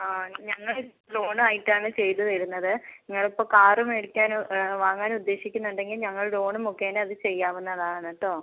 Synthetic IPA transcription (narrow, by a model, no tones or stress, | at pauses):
aːɲɐŋːɐɭ | lo̞ːɳaːjiʈːaːɳɨt͡ɕe̞jt̪ːɨðɐɾunːɐðɨniŋːɐɭipːɐkaːrumeɽukʲːaːnʋaːŋːaːnud̪ːeːɕikʲːunːuɳɖe̞ŋɡilɲɐŋːɐɭɽo̞ːɳumokːeːnɐðɨt͡ɕe̞jːaːʋunːɐðaːɐnːɐʈːo̞ː